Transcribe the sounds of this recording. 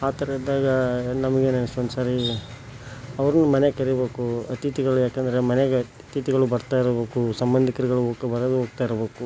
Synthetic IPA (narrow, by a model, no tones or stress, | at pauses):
aːt̪ɐɾɐid̪aːɡɐnɐmɐɡenenɐsond̪usaːɾi | ɐʋɐɾɐnumɐnekɐɾibe̞ːkuɐt̪it̪iɡɐɭujaːkeːnd̪ɐɾe̞mɐneɡe | t̪it̪iɡɐɭubɐɾt̪aːjiɾɐbe̞ːkusɐmbɐnd̪ʱikɐɾiɡɐɭuɦoːɡkɐbɐɾɐd̪uɦoːɡ̚t̪aːjiɾbe̞ːku